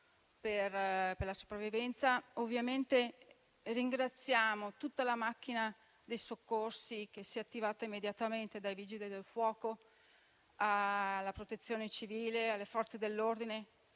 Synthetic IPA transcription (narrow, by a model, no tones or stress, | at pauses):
perperlaso̥pɾavːivɛnt̪saovːjament̪e | riŋɡɾat̪sːjaːmot̪ut̪ːalamak̟ːina | d̪ejsokːorsik̟esiɛat̪ːivaːt̪aimːed̪jat̪ament̪ed̪ajvid͡ʒid̪id̪elfwɔːko | alːapɾot̪et̪sːjoːnet͡ʃiviːlealːefɔrt̪sed̪elːord̪ine